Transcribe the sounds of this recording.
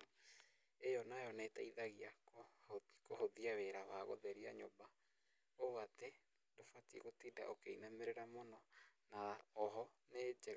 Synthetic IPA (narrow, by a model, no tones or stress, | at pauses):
ejonajonetaiðaɣiakokohoðiaβeɾaβaɣo̰ðeɾiaɲoba | oβat̪e | dofat̪ikot̪ida̰ʔokeinameɾeɾamononaðaɔɦɔned͡ʒe